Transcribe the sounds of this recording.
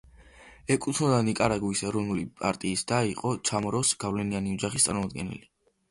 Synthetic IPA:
ɛkʼut̪ʰnɔd̪anikʼaɾaɡuisɛɾɔnulipʼa̰ɾt̪ʼiːsd̪̥aiqʼɔt͡ʃʰamɔɾɔsɡ̥avlɛnianiɔd͡ʒaχist̪sʼa̰ɾmɔmɔd̪ɡɛnɛ̰li

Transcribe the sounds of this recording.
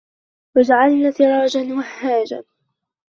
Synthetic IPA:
wad͡ʒaʕalnaːθɪɾˤɑːd͡ʒanwahːaːd͡ʒa̰

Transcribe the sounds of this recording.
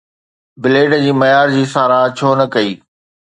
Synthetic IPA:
bɪleːɖd͡ʑiːmɐjaːɾd͡ʑiːsaːɾaːt͡ɕʰoːnɐkɐiː

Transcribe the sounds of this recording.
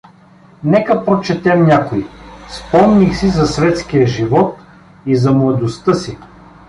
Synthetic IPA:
nɛkəpɾot͡ʃɛt̪ɛmnʲakoispɔmnixsizɐsvɛt̪skijəʒivɔt̪̚ | izɐmlˠɐd̪ost̪əsi

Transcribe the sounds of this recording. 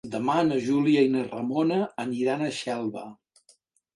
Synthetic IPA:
d̪əmanəʒuliəinərə̰monəːniɾanəʃɛlˠβə

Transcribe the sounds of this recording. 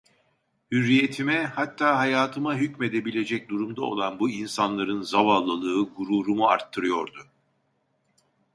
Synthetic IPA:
hyɾːije̞t̪ʰimɛhat̪ʰːaːɦajaːt̪ʰɯmaɦycme̞d̪e̞bilʲe̞d͡ʒɛc̚d̪uɾumd̪ao̞̰lˠanbuinsanlˠaɾɯnzavalˠːɯlˠɯːɡuɾuːɾumua̰ɾt̪ʰːɯɾɯjo̞ɾd̪u

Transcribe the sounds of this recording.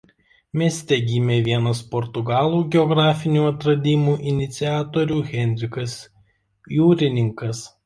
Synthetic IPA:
mʲiɛsʲt̪ʲɛɡʲiːmʲeːʋʲiɛnɐspɔɾt̪ʊɡɑːlˠuːɡʲɛɔɡɾɑːfʲɪnʲuːɐt̪ɾɐd̪ʲimuːʔɪnʲɪt̪sʲɪæːt̪ɔɾʲuːɣʲɛnʲd̪ʲɾʲɪkɐs | juːɾʲɪnʲɪŋkɐs

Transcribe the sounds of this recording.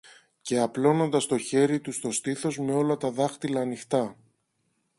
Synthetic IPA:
ce̞ɐplo̞no̞nd̪ɐst̪o̞çe̞ɾit̪ust̪o̞st̪iθo̞zme̞o̞lɐt̪ɐðɐxt̪ilɐːnixt̪ɐ

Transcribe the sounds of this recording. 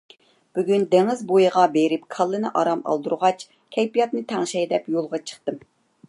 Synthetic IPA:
b̥yɡʲynd̪eŋɪzbojɨʁɑbeɾɪpkʰɑlˠːɨnɨʔɑ̰ɾɑmɑ̰lˠd̪uɾʁɑt͡ʃ | kʲʰɛjpijɑt̪nɨt̪ʰæŋʃɛjd̪ɛpjolˠʁɑt͡ʃʰə̥χt̪ɨm

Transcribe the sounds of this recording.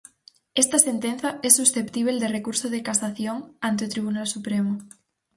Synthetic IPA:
est̪asent̪en̟θaesːusθept̪iβ̞eld̪erekuɾsoð̞ekasaθjoŋant̪eot̪ɾiβ̞unalsupɾemo

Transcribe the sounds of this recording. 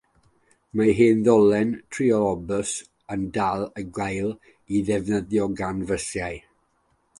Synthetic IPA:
maɦeːnðɔlˠɛntʰriɔlɔbəs | əndalˠəɡwajlˠ | iðɛvnəðjɔɡanvəsjaj

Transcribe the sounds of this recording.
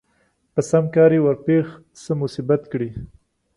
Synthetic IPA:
pəsamkɑɾewaɾpex | səmʊsibat̪kɽi

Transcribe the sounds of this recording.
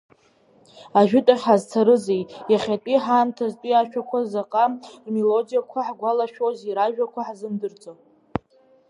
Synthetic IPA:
aʒᶣʊtʼaχʲħazt͡sʰaɾɨzejjaχʲatʼiħamtʰaztʼiaʃᶣakʷʰazaqʼamelo̞dijakʷʰaħɡʷalaʃᶣoziɾaʒᶣakʷʰaħzɨmdɨrt͡sʼo

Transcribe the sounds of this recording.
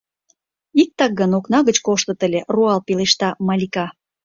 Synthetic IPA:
ik̚t̪ɑk̚ɡənoknɑɣət͡ɕkoʃt̪ə̆t̪ə̆lʲeruɑlpeleʃt̪ɑmɑlʲikɑ

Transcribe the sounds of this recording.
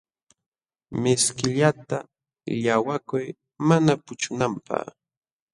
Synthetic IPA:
mɪskɪʎat̪a | ʎawakʊj | manapʊt͡ʃʊnampɑ̰χ

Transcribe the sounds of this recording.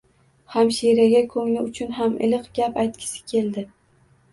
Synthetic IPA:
hamʃiɾaɡʲakʰɵŋlɪʊt͡ʃʰʊnɦamʔɪ̰lɨqɡʲapajt̪̚kʲʰɪ̥sɪ̥kʲʰe̞ld̪ɪ

